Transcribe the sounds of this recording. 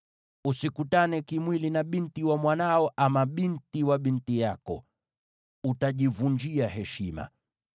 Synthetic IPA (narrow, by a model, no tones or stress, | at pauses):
usikutanɛkimwilinaɓintiwamwanaɔʔamaɓintiwaɓintijakɔ̰ | utaʄivund͡ʒiaɦɛʃima̰